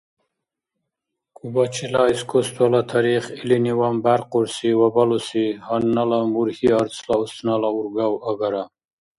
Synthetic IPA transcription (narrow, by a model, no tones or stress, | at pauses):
kubat͡ɕʰilaiskost̪walat̪ʰaɾiχiliniwambaɾquɾsiwabalusihanːalamuɾhiaɾt͡sʰlaust̪nalauɾɡawaɡaɾa